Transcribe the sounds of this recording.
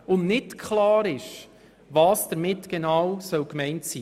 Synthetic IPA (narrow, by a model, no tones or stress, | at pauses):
ʊnnɪtkʰχlɑːɾɪʃ | vɑːsd̥əɾmɪtɡ̥enɑːwsœwkmɛɪntsiː